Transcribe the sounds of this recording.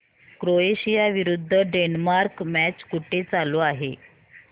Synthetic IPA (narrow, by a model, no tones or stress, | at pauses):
kɾoeɕijaʋiɾud̪ʱːəɖenmaɾkmæt͡ɕkuʈet͡saloaɦe